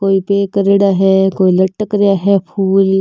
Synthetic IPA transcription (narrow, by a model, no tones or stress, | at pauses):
koːipeːkɾeɽaɦɛkoːilɐʈːəkɾɪjaɦɛpʰuːl